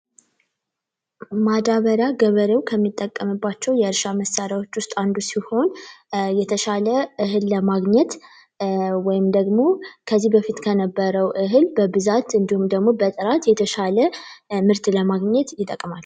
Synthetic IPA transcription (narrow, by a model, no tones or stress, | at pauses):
mad̪aβəɾjaɡəβəɾewkʰəmːit̪ʼːəkʼːəmɨbːat͡ʃːɛwjɛɨɾʃaməsːaɾjawo̞t͡ʃːwʊst̪ʼand̪usiho̞njɛt̪ʰəʃaləʔɨɦɨlːəmaɡɲɛt̪ | wɔjɪmd̪əɡmo̞kʰəzːihbəfit̪kʰənəbːəɾəwʔɨɦɨlbəbɨzat̪ɨnd̪ihumd̪əɡmobət̪ʼɨɾat̪jɛt̪ʰəʃaləmɨɾt̪ləmaɡɲɛt̪jɪt̪ʼːəkʼmal